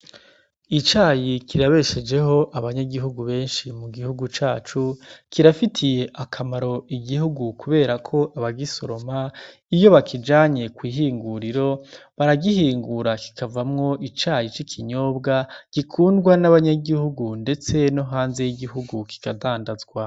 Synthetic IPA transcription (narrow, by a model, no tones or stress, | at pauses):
it͡ʃaːjikʰiɾaβe̞ʃe̞d͡ʒe̞ɦo̞ʔaβaɲaɡiɦuɡuβe̞ːnʃimuɡihuɡut͡ʃaːt͡ʃukʰiɾafitʰije̞ʔakʰamaɾo̞iɡihuɡukuβe̞ːɾakʰo̞ʔaβaɡiso̞ɾo̞ma | ijo̞βakʰid͡ʒaːɲe̞kwiːɦiːŋɡuɾiɾo̞βaɾaɡihiːŋɡuɾaki̥kʰavamŋo̞ʔit͡ʃaːjit͡ʃikʰiɲo̞ːbɡaɡ̥ikʰuːndɡwanaβaɲaɡihuɡunde̞t͡se̞no̞ɦaːnze̞jiɡiɦuɡuki̥kadaːndazɡwa